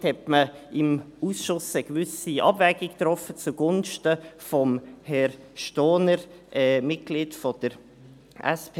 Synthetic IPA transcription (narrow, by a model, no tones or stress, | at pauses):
thɛtməɪm | uːsʃʊsəɡ̥vʏsiʔɑ̰bvɛɡ̥ikt̪ɾɔfət͡suɡ̥ʊnʃtəfɔmhɛɾ | ʃtoːnəɾ | ʔɛːmɪt̚ɡ̥liːtfɔd̥əɾ | ʔɛ̰sp